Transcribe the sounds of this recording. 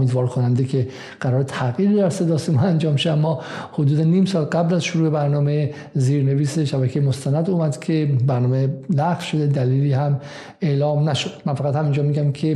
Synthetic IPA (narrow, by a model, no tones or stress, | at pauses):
miːd̪vɒːɾkʰonænd̪ekʰe | ɢ̥æɾɒːɾet̪ʰæɡiːɾid̪æɾse̞d̪ɒːsemɒænd͡ʒɒːmʃoæmːɒːhod̪uːd̪eniːmsɒːlɡæblæzʃoɾuːebæɾnɒːme | ziːɾne̞viːseʃæbækʰejemost̪ænæd̪uːmæd̪kʲʰe̞bæɾnɒːmelæffʃod̪ed̪æliːliːhæm | e̞ːlɒːmnæʃod̪̥mænfæɣæt̪hæmind͡ʒɒːmiːɡæmkʰe̞